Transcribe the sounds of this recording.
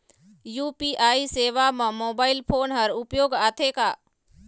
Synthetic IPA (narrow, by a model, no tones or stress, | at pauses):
juːpiʔaːiseːʋamə̃moːbaːɪlpʰoːnɦɐɾʊpjoːɡaːt̪ʰekaː